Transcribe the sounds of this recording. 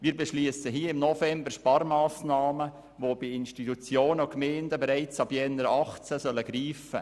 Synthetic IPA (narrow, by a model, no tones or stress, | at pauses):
miːɾbɛʃliəsəɦiːəɪmnɔfɛmbərʃpɑɾmɑːsnɑːmə | ʋobiɪnʃtit̪ut͡sjoːnəʊkmɛːndəbɛɾɛɪt͡sɑbjɛnəɾɑχt͡sæsœləɡɾiːfə̰